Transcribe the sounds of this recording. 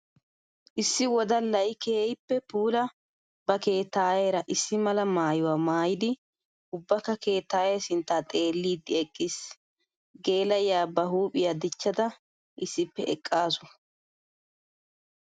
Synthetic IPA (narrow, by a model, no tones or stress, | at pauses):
ʔɪsːɪwɔd̪ɐlːɐjɪkeːjpːɛpuːlɐ | bɐke̞ːt̪ːaːjeːɾɐʔɪsːɪmɐlɐmaːjʊwaːmaːjɪd̪ɪ | ʊbːɐkːɐke̞ːt̪ːaːjɛsɪnt̪ːaːt̪ʼe̞ːlːiːd̪ːɪɛkʼːɪs | ɡe̞ːlɐjaːbɐɦuːpʼɪjad̪ɪt͡ʃːɐd̪ɐ | ʔɪsːɪpːɛʔɛkʼːaːsʊ̥